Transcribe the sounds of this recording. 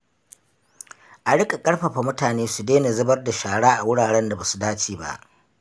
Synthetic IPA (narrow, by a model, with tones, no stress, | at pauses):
ʔa˨ɽɪ˦kʼa˨kʼɐ˦ɽɸɐ˨ɸa˨mʊ˦taː˨neː˦su˨deː˦ni˨zɐ˦bɐ˦rda˨ʃaː˨ɽaː˦ʔa˨wʊ˦ɽaː˨ɽɛ˦nda˨ba˨su˨daː˦t͡ʃeː˨ba̰˦ʔ